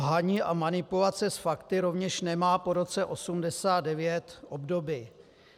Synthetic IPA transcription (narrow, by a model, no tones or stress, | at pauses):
ɦaɲiːʔamanɪpulat͡sɛsfakt̪ɪɾo̞vɲɛʃnɛmaːpo̞ɾo̞t͡sɛʔo̞sumdɛsaːdɛvjɛt̪ʔobdo̞biː